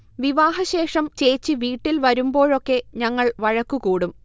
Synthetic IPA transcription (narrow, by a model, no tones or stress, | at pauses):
ʋiʋaːɦɐɕe̞ːʂɐmt͡ɕe̞ːt͡ɕːiʋiːʈːilʋɐɾumbo̞ːɻo̞kːe̞ɲɐŋːɐɭʋɐɻɐkːukuːɽum